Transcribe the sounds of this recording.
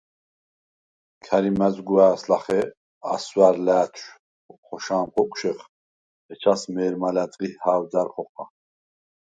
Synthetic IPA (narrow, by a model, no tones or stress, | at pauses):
kʰaɾimɛzɡuaːslaχɛ | aswaɾlæːt̪ʰʃ | χɔʃaːmχʰɔkʼʃɛχ | ɛt͡ʃʰasmɛːɾmalat̪ʼʁihaːɾd͡zaɾχɔχa